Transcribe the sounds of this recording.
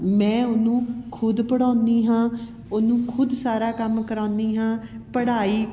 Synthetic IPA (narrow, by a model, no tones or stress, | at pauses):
mɛ̃ːʊnũːkʰʊd̪pəɽaːnd̪iːɦãː | ʊnũːkʰʊd̪saːɾaːkəmkəɾãːnd̪iːɦãːpəɽaːiː